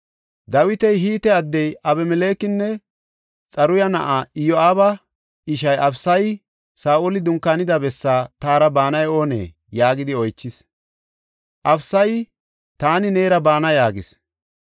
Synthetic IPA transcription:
d̪ɐwɪt̪ɛjɦiːt̪ɛɐd̪ːɛjʔɐbɛmɛle̞ːkɪnːɛ | t͡sʼɐɾʊjɐnɐ̰ʔaɪjɔaːbɐ | ɪʃ̬ɐjɐfsɐj | saːʔɔlɪd̪ʊŋkːaːnɪd̪ɐbɛsːaːt̪aːɾɐbaːnɐjo̞ːnḛː | jaːɡɪd̪ɪɔjt͡ʃːɪs | ʔɐfsɐj | t̪aːnɪneːɾɐbaːnɐjaːɡɪs

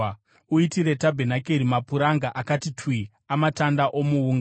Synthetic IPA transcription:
uitiɾe̞tabʱenakeɾimapuɾaŋɡaʔakatitʰwi | amatandaʔo̞muuːŋɡ

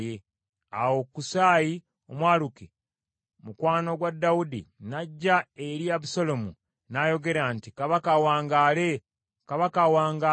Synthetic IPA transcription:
je | a̰wo̞kusaːji | omwaːluki | mukwaːno̞ɡwadːawudḭnaɟːaeɾiaβusolo̞mu | najo̞ɡe̞ɾantikaβakawaːŋɡale | kaβakawaːŋɡa

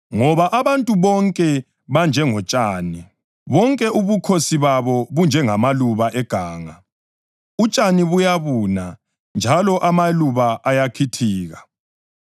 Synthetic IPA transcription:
ŋɔβaʔaβantʼuβɔŋkʼɛ | βand͡ʒʱɛŋɔt͡ʃʼaːni | βɔŋkʼɛʔuβukʰosiβaβɔβund͡ʒʱɛŋamaluβaʔɛɡ̥ʱaːŋa | ut͡ʃʼaniβujaβuːna | nd͡ʒʱalɔʔamaluβaʔːjakʰitʰiːɣa

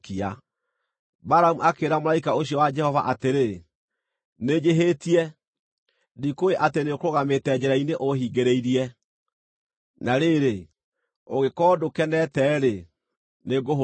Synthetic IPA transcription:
kia | baɾamuakeɾamoaikaoɕiɔwad͡ʒɛhɔva̰ʔateɾe | ned͡ʒeɦetiɛ | dikoeʔatenekoɣametɛd͡ʑɛɾaineʔohiːɡeɾeiɾiɛ | naɾeɾe | oɣekɔːdokɛnɛtɛːɾe | neɡoɦ

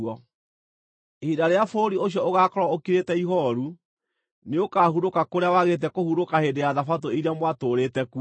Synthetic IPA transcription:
ɔ | ehidaɾeafoɾioɕjɔoɣakɔɾwaokiɾetɛiɦɔɾu | neokaːhuɾokakoɾeawaɣet̬ɛkohuɾokaheːdejaðafatoiɾiamwatoɾetɛku

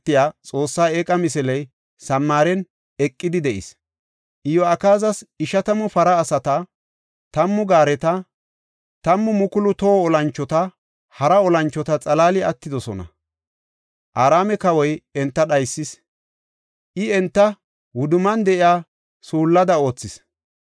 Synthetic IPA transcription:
t̪ːɪjaːt͡sʼo̞ːsːaːeːkʼɐmɪs̬ɛlɛj | sɐmːaːɾɛn | ɛkʼːɪd̪ɪd̪ɛʔɪ̰s | ʔɪjɔɐkaːzɐsɪʃɐt̪ɐmʊfɐɾɐːsɐt̪ɐ | t̪ɐmːʊɡaːɾɛt̪ɐ | t̪ɐmːʊmʊkʊlʊt̪oːɔlɐnt͡ʃːɔt̪ɐ | hɐɾɐɔlɐnt͡ʃːɔt̪ɐt͡sʼɐlaːlɪɐt̪ːɪd̪ɔsɔ̰nɐ̰ | ʔaːɾaːmɛkɐwɔjɛnt̪ːɐɗɐjsːɪs | ʔɪɛnt̪ːɐ | wʊd̪ʊmɐnd̪ɛʔɪjaː | suːlːɐd̪ɐo̞ːt͡sːɪs

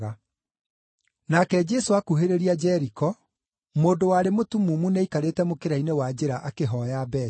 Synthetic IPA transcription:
a | nakɛd͡ʒɛsoakuɦeɾeɾiad͡ʒɛɾikɔ | moːndowaɾemotumumuneikaɾetɛmokeɾainewad͡ʑeɾaʔakeɦɔjabɛ

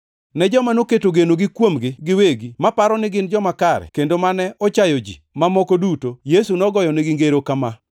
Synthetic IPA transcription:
nɛd͡ʒɔmanoketoɡenoɡɪkwomɡɪɡɪweɡimapaɾɔnɪɡɪnd͡ʒɔmakaɾɛ̰kendomanɛʔɔt͡ʃajɔd͡ʒḭ | mamɔkodutojesunɔɡɔjɔnɪɡɪŋɡeɾokama

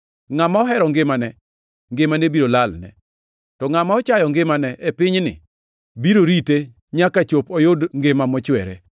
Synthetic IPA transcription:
ŋamaɔɦɛɾɔŋɡɪmanɛ | ŋɡemanebiɾolalnɛ̰ | tɔŋamaɔt͡ʃajɔŋɡɪmanɛʔepɪɲnɪ̰ | biɾoɾite | ɲakat͡ʃopɔjodŋɡemamɔt͡ʃwɛɾɛ̰

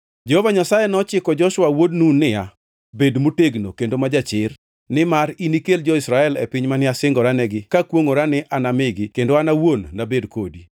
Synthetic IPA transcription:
d͡ʒehovaɲasajɛnɔt͡ʃɪkɔd͡ʒɔʃwawodnunːɪja | bedmoteɡno̰kendomad͡ʒat͡ʃɪr | nɪmaɾinikeld͡ʒɔisɾaɛlɛ̰pɪɲmanɪasɪŋɡɔɾanɛɡɪkakwoŋoɾanɪʔanamɪɡɪkendoanawonːabedko̰di

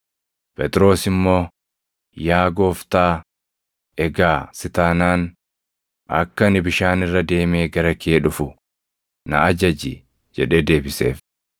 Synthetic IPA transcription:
pɛt̪ɾo̞ːsɪmːo̞ː | jaːɡo̞ːft̪aː | ɛɡaːsɪt̪aːnaːn | ʔɐ̰kːɐnɪbɪʃaːnɪrːɐd̪e̞ːmeːɡɐɾɐkeːᶑʊfʊ | nɐ̰ɐd͡ʒɐd͡ʒɪ | d͡ʒɛᶑe̞ːd̪e̞ːbɪse̞̰ːf

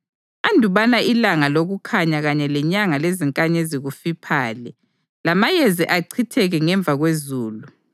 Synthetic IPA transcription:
andʱuβanaʔilaŋaloɣukʰaɲaɣaɲɛlɛɲaŋaleziŋkʼaɲɛziɣufipʰaːlɛ | lamajeziʔaǀʰitʰɛɣɛŋɛɱb̪vʱaɣwezuːlu

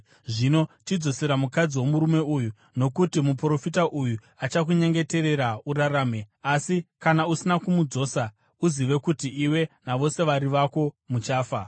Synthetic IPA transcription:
ʐino̞t͡ʃid͡zo̞seɾamukad͡ziwo̞muɾume̞uju | no̞kutimupro̞fitaʔuju | at͡ʃak̬uɲe̞ŋɡe̞te̞ɾe̞ɾauɾaɾaːme̞asikanausinakumud͡zo̞ːsa | uziʋe̞kutiiwe̞naʋo̞se̞ʋaɾiʋako̞ | mut͡ʃaːfa

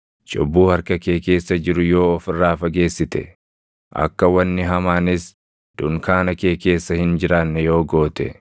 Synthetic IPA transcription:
t͡ʃʼʊbːuːhɐɾkɐke̞ːke̞ːsːɐd͡ʒɪɾʊjo̞ːɔfɪrːaːfɐɡe̞ːsːɪt̪ɛ̰ | ʔɐ̰kːɐwɐnːɪɦɐmaːnɪs | d̪̥ʊŋkaːnɐke̞ːke̞ːsːɐhɪnd͡ʒɪɾaːnːɛjo̞ːɡo̞ːt̪ɛ̰

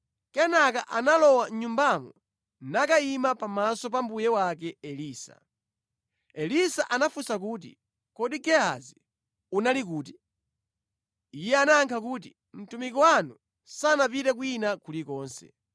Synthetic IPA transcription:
kɛnakaʔanalɔwaɲumbamɔ | nakaimapamasɔp̬ambujɛwak̬ɛɛliːsḁ̰ | ɛlisaʔanafusakuːt̬ḭ | kɔɗiɡɛa̰zi | unalik̬uːti | ijɛanaːŋkʰakuːt̬i | m̩tumikɔwanu | sanapitɛk̬winakulikɔːnsɛ̰

